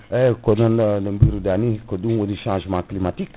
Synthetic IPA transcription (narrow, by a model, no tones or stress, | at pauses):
ekonə̃nləmbiɾud̪anikod̪ũod̪iʃãːʒmãklimat̪ik